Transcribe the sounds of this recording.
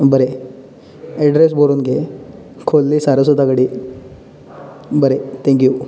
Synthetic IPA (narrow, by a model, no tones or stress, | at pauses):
bəɾe | eɖɾes̬boɾuːnɡe | kʰolːiːsaɾəs̬od̪ʱakəɽiː | bəɾet̪ʰẽŋkju